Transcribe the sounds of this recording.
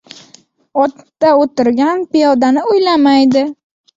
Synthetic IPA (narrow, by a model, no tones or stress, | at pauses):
ɒt̪ːaot̪ɪɾɡʲanpɪjɒd̪anɪʊjlamajd̪ɪ